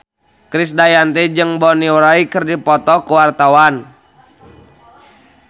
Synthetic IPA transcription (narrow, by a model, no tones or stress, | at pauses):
kɾisdajant̪ɛd͡ʒɨŋbɔniuɾaikɨrdipɔt̪ɔkəwart̪awan